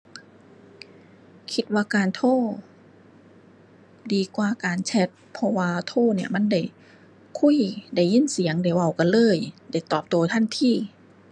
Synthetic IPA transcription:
kʰi˧˥t̪̚waː˧kaː˨˩nt̪ʰoː˧˥˩ | diː˨˩kwaː˧˩kaː˨˩nt͡ɕʰɛ˧˥t̪̚pʰɔ˧waː˧t̪ʰoː˧˥˩ni˧˩ɐma˧˥˨nda˧˩j | kʰu˧˥˨jda˧˩jːi˧˥˨nsi˨˦əŋdaː˧˩wa˧˩wka˧˨nlɤː˧˥˩jda˧˩jt̪ɔː˨˩p̚t̪oː˧˩t̪ʰa˧˥˨nt̪ʰiː˧˥˩

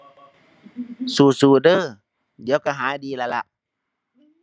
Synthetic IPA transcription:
suː˨˩suː˧˩dɤː˧˩˨ | diː˨˦əwka˧˩ɦaː˨˦jdiː˧˨la˧la˧ʔ

